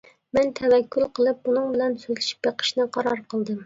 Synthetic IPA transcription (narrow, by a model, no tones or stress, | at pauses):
mɛnt̪ʰɛvɛkʲːylˠqʰəlˠɨp̚bunɨŋbɪlɛnsøzlɪʃi̥p̚jeqʰə̥ʃnɨqʰɑɾɑɾqʰəlˠd̪ɨm